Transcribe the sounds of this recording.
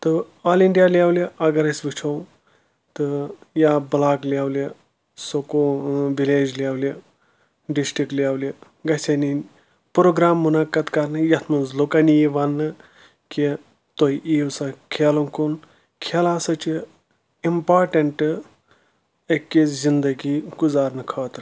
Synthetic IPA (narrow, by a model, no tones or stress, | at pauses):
t̪ɨaliɳɖijalawliʔɐɡɐɾɐsʋit͡ʃʰow | t̪ɨjablaklʲawlʲɐ | sokoʋileːd͡ʒlʲawlʲɐ | ɖisʈɾikʈljawlʲi | ɡɐsʲeni | pɾoːɡɾaːmːunakɐt̪kaɾnɨjɐt̪ʰmuzlokanijiʋanːɨ | ki | t̪ojʔiːwsɐkʰeloŋkun | kʰelaːsɐt͡ʃi | impaːɾʈɐɳʈɨ | ekːezind̪ɐɡiɡuzaːɾnɨkʰəːt̪ɾɨ